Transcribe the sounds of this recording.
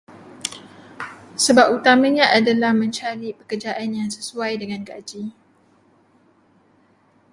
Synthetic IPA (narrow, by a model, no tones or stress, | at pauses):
səbap̚ut̪amaɲãʔadalahmə̃ɲt͡ʃalipəkərd͡ʒaʔanjaŋsəsuajdəŋanɡad͡ʒi